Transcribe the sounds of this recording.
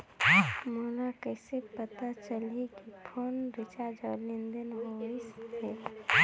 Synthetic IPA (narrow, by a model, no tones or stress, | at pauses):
moːlakɛːsepət̪at͡ʃəlekipʰoːnɾɪt͡ʃad͡ʒɔlĩnd̪ənɦoist̪ʰeː